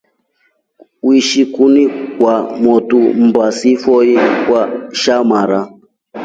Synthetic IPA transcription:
wiʃikunikwamɔtum̩basifɔikwaʃamaɾa

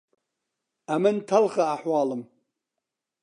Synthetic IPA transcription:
amantʰalχaːħwaːlɨm

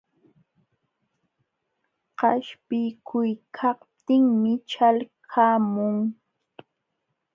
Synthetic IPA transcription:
qɑʃpɪjkʰʊjkʰɑht̪ɪŋmɪt͡ʃalkʰaːmʊŋ

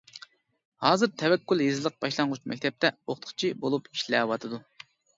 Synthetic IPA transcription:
hɑːzɨɾt̪ʰɛwɛkʲːylˠjezɪlˠəq̚b̥ɑʃlˠɑɴʁut͡ʃmʔɛ̰k̚ʲt̪ʰɛp̚t̪ɛoχt̪ʰə̥χt͡ʃʰibolˠupi̥ʃlɛwɑt̪ʰɨd̪u

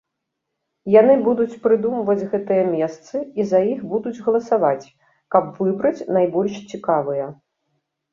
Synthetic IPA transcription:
janɨbud̪ut͡sʲpɾɨd̪umvɐd͡zʲɣɛt̪ɨjɐmʲɛst̪sɨizɐjixbud̪ud͡zʲɣɐlˠɐsavat͡sʲ | kɐbvɨbɾɐt͡sʲnajbɔlʲʂt͡sʲikavɨjɐ

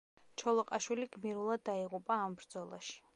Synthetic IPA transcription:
t͡ʃʰɔlˠɔqʼaʃwiliɡmiɾulˠad̪ːaiʁupʼaːmbɾd̪zɔlˠa̰ʃi̥

